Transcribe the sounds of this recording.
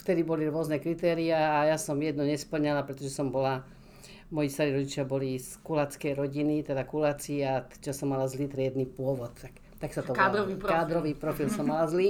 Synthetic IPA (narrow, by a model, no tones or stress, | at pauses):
ft̪ɛd̪ibɔliɾʊɔznɛkɾit̪ɛːɾiaːjasɔmjɛd̪nɔɲɛspl̩ɲɛlapɾɛt̪ɔʒɛsɔmbɔla | mɔjist̪aɾiːɾɔɟit͡ʃɪabɔliskulat͡skɛjɾɔɟinit̪ɛd̪akulaːt͡siːat͡ʃasɔmːalazlit̪ɾiɛd̪nipʊɔʋɔt̪t̪ːak | t̪aksat̪ɔkːd̪ɾɔʋiɾkaːd̪ɾɔʋiːpɾɔfilsɔmːalazli